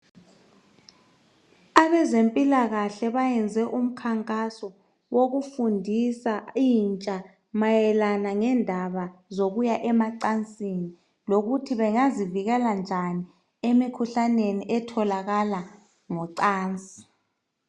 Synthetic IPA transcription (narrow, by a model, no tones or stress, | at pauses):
aβɛzempʼilaɣaɬɛβajɛnd͡zʱɛʔum̩kʰaŋkʼasɔ | woɣufundʱisaint͡ʃʼa | majɛlanaŋɛndʱaβazoɣujaʔɛmaǀant͡sʼini | loɣutʰiβɛŋaziviɣɛland͡ʒʱani | emikʰuɬaneniʔɛtʰɔlaɣala | ŋɔǀaːnt͡sʼi̥